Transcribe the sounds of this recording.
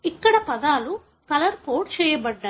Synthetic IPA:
ikːɐɽɐpɐd̪aːlu | kɐlɐɾkoːɾɖ̚t͡ʃɛːjɐbɐɖːa

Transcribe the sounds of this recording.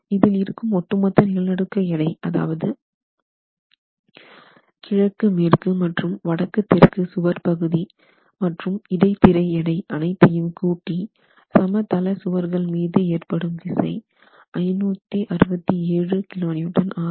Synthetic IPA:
ɪðɪlɪɾɯkːɯmɔʈːɯmɐt̪ːɐnɪɐlnɐɽɯkːɐɛɽɐɪɐða̰ːʋɐðɯ | kɪɻɐkːɯmeːrkɯmɐʈrɯmʋɐɽɐkːɯt̪ːɛrkɯsʊʋɐɾpɐɣɯði | mɐʈrɯmɪɽɐɪt̪ːɪɾɐɪɛɽɐɪʔɐnɐɪt̪ːɐjɯmkuːʈːi | sɐmɐt̪ɐlɐsʊʋɐɾɣɐɭmiːðɯeːrpɐɽɯmʋɪsɐ̰ɪ | ʔɐɪnuːt̪ːiʔɐɾɯbɐt̪ːieːɻɯkɪloːniːʈːɐnaː

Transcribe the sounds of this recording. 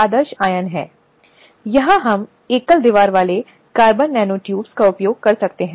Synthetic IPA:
aːd̪əɾʃaːjənɦɛ̰̃ː | jɐɦãɦɐm | eːkəld̪ɪʋaːɾʋaːle | kaːɾbənːɛːnoːʈjuːbskaʊpjoːɡ̚kɐɾsɐkt̪eɦɛ̃

